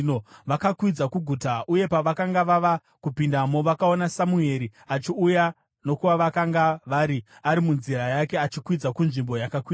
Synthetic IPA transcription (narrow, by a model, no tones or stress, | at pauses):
noʋakakwid͡zakuɡʱutaʔuje̞paʋakaŋɡaʋaʋa | kupindamo̞ʋakao̞nasamue̞ɾiat͡ʃiuja | no̞kuʋaʋakaŋɡaʋaɾiaɾimunzirajake̞at͡ʃikwid͡zakunʐimbo̞jakakwiːa